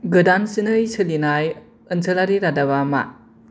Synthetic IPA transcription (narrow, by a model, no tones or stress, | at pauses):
ɡɯdansinɯjsɯlinaj | ɯnsʰɯlaɾiɾadaβama̰